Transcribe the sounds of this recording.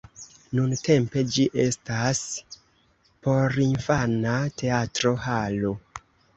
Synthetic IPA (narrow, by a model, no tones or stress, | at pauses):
nunte̞mpe̞d͡ʒiʔe̞̰stas | po̞ɾinfanate̞atɾo̞halo̞